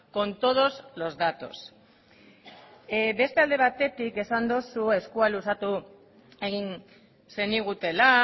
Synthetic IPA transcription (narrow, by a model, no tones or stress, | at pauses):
ko̞nt̪o̞ð̞o̞zlo̞zðat̪o̞s | be̞st̪e̞ald̪e̞β̞at̪e̞t̪ike̞sand̪osue̞skualusat̪u | e̞ɣin | se̞niɣ̞ut̪e̞la